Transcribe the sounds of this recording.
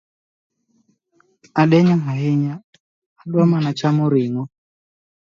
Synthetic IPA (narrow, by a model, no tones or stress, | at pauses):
aɗɛɲaɦaɦiɲaː | ɗwamanat͡ʃamuɾiŋɔ